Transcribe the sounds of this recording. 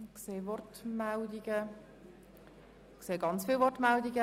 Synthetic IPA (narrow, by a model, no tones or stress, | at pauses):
kseːvɔrtmaldiɡə | kseːɡɑnt͡sfiːlvɔɾtmaldiɡə